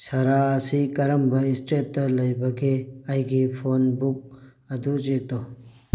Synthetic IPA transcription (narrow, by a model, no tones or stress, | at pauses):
sɐɾaɐsikɐɾɐmbɐisʈet̚ːɐlɐjbɐɡeɐjɡipʰonbuk̚ | ɐdut͡ʃetɔ